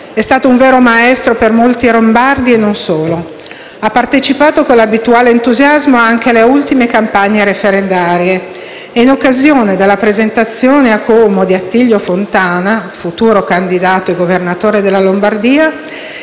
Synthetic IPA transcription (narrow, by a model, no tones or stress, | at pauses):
ɛst̪aːt̪ouɱveːɾomaɛst̪ɾopermolt̪iɾombard̪ienːonsoːlo | apːart̪et͡ʃipaːt̪okonlːabit̪uaːleːnt̪uzjazmoaŋk̟ealeult̪imekampaɲːeɾefeɾend̪aːɾje | einokːazjoːned̪elːapɾezent̪at̪sːjoːneakoːmod̪iat̪ːiʎːofont̪aːnafut̪uːɾokand̪id̪aːt̪oeɡovernat̪oːɾed̪elːalombard̪iːa